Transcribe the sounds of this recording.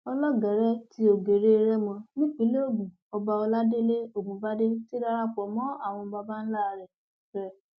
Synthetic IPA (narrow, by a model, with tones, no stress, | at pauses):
ɔ˧lɔ˦ɡɛ˨ɾɛ˦ti˧˦o˨ɡe˨ɾe˦e˧ɾɛ˦mɔ̃˧nĩ˦k͡pĩ˨˦le˦o˦˨ɡũ˨ | ɔ˧ba˧ɔ˧la˦de˦le˦o˦˨bũ˨˦ba˦de˦ti˦ɾa˦˧ɾa˦k͡pɔ˨mɔ̃˦a˦˨w̃ɔ̃˧ba˧ba˦n̩˦la˦˨ɾɛ˨ | ɾɛ˦